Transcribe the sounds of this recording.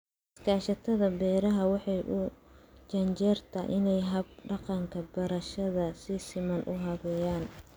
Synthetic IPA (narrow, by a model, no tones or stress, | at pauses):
ɪskʰaːʃɐt̪ʰɐðɐbɛːɾɐɦɐwɑħɑjʔʊt͡ʃɐɲt͡ʃɛːrt̪ʰɐ̰ʔɪnɛjɦɐb̚ɖɑqɑŋkʰɐbɐɾɐʃɐðɐsɪsɪmɐnʔʊɦɐɣɛːjaːn